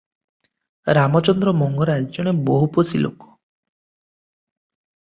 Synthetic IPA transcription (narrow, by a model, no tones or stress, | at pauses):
ɾamɔt͡ʃɔnd̪ɾɔmɔŋɡɔɾad͡ʒd͡ʒɔɽ̃ebɔɦuposilo̰kɔ̥